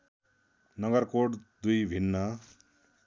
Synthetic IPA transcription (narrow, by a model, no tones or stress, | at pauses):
nʌɡʌrkoʈd̪ujbʱinːʌ